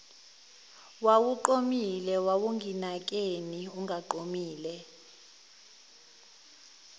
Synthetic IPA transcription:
wawuǃomilɛwawuŋʱinak̬ʼeniuŋʱaǃomiːlɛ

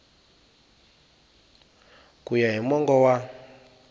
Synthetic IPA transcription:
kujaɦimɔŋɡɔwa

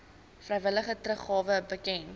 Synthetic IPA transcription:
frɛjvələχətrəχɑːvəbəkɛn

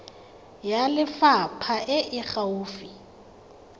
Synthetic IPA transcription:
jalɪfapʰaʔɪʔɪχauːfi

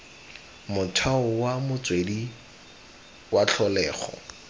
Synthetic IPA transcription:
mʊtʰaʊwamʊt͡swedi | wat͡ɬʰɔlɛːχɔ̰

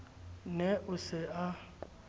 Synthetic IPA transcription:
nɛʔʊsɪa

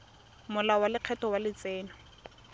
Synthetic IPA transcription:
mʊlawalɪq͡χʰɛtɔwalɪt͡sɛːnɔ

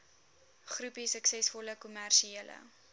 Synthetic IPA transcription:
χrupisəksɛsfɔləkumærʃielə̰

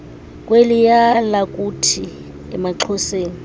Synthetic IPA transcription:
kʼwelijalakʼutʰi | ɛmaǁʰɔseːni

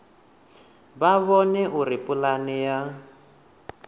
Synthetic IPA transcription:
βaβɔnɛʔuɾipʼulanija

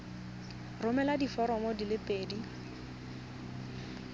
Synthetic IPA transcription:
rʊmɛladifɔɾɔmɔdilɪpʼeːdi

